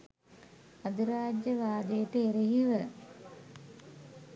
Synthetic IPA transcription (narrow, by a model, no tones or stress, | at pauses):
ad̪iɾaːd͡ʒjəʋaːd̪əjəʈəeɾeɦiʋə